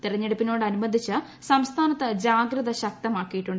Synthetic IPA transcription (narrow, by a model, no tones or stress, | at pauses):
t̪irɐɲːeɽupːino̞ːɽɨɐnumɐnd̪ʱit͡ɕːɨ | sɐmst̪ʰaːnɐt̪ːɨd͡ʑaːɡɾɨðɐɕɐk̚t̪ɐmaːkːijiʈːuɳɖ